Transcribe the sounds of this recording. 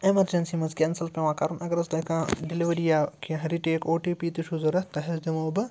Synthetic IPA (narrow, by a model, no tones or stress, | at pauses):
emɐɾd͡ʒɐnsimɐzkʲensɐlpẽʋãːkɐɾunɐɡɐɾɐst̪ɐkãɖiliʋɐɾijaːkiɦɐɾiʈeːkoːʈiːpiːt̪iʃuzɐɾɐt̪ɐɦezd̪imoːbɨ